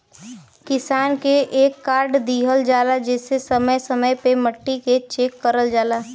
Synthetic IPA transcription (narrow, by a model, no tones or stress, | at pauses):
kɪsaːnkeʔeːkːaːɾɖd̪iːɦəld͡ʒaːlad͡ʒɛːsesɐməjsɐməjpeməʈːiket͡ʃeːkːəɾəld͡ʒaːlaː